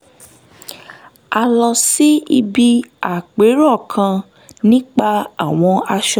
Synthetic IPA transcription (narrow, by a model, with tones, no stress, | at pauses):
a˧lɔ˧si˦i˧bi˧a˨k͡pe˨˦ɾɔ˦˨kʰã˧ | nĩ˦k͡pa˧a˦˨w̃ɔ̃˧a˧ʃɔ˧˨